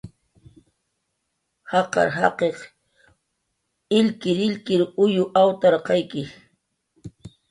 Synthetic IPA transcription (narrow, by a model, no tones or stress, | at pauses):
hɑqɑ̰ɾɦɑqeχ | ɪlkɪɾɪʎkɪɾʊjʊʔawt̪aɾqɑjkɪ